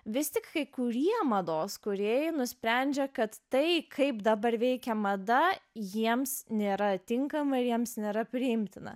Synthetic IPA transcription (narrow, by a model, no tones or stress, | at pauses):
ʋʲɪsʲt̪ʲɪkkɐɪkʊɾʲiɛmɐd̪oːskʊɾʲeːjɪnʊsʲpʲɾʲænʲd͡ʒʲɛkɐt̪ːɐɪkʰɐɪpd̪ɐbɐɾʋʲɛɪkʲɛmɐd̪ɐjiɛmsnʲeːɾɐt̪ʲɪŋkɐmɐɪɾjiɛmsnʲeːɾɐpʲɾʲɪɪmʲt̪ʲɪnɐ̰